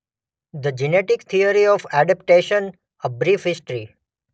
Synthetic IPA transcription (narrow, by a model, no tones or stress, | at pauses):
d̪əd͡ʒineʈɪkt̪ʰiəɾiɔfæɖəp̚ʈeʃən | əbɾiːfɦɪsʈəɾi